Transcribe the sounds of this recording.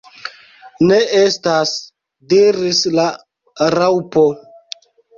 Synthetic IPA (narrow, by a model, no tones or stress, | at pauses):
neʔestas | diɾisla | ɾawpo